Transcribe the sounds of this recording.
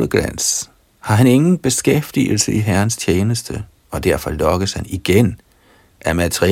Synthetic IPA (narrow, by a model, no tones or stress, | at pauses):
ləɡ̥læn̰s | hɑ̈ɦæne̝ŋn̩b̥e̝sɡ̥efd̥ḭːl̩səiɦæɐn̩st͡ɕʰjeːnəsd̥ə | ɒ̽d̥æɐ̰fɒ̽lɒ̽ɡ̥əshæniɡ̥en | ʔæɐmæt͡sʰʁi